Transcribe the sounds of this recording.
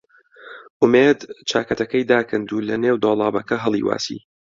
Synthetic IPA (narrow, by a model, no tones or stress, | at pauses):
ʔʊmeːd̪t͡ʃʰaːkɐt̪ɐkɐjd̪aːkɨnd̪uːlɐneːwd̪oːlˠɑːbɐkɐɦɨlˠḭːwa̰ːsḭː